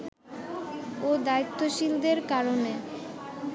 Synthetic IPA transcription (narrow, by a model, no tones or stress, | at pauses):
od̪ait̪ːoʃild̪eɾkaɾone